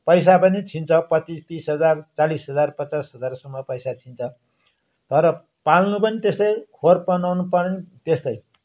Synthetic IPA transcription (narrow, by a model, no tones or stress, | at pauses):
pʌjs̬apʌnit͡sʰint͡sʰʌpʌt͡sist̪isɦʌd͡zart͡salisɦʌd͡zarpʌt͡sasɦʌd͡zarsʌmːʌpʌjsat͡sʰint͡sʰʌ | t̪ʌɾʌ | palnupʌnit̪est̪ʌjhorpʌnʌnupʌnit̪est̪ʌj